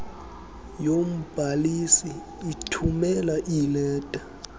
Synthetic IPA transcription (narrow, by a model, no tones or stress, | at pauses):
jom̩b̥ʱalisiː | tʰumɛlaʔilɛːtʼa